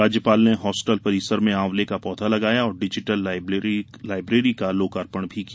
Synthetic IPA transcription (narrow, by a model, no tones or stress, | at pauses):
aːd͡ʒjəpaːlneɦɔːsʈəlpɐɾiːsəɾmẽãːʋlekapɔːt̪ʰalɐɡaːjaɔːɾɖɪd͡ʒɪʈəl | laːɪbɾeːɾikaloːkaːɾpəɳ̃bʱiki